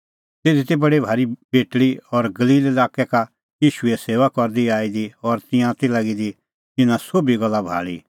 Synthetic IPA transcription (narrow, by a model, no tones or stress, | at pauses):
t̪eːd̪it̪ebɐɽebʱaːɾibeːʈɭiɔɾɡɐliːlelaːkɛka | jiːʃuɛseːʋakɔɾd̪iaːid̪iɔɾt̪ɪ̃jãt̪ilaɡid̪i | t̪ɪnãsobiɡɐlːabʱa̰ːɭḭ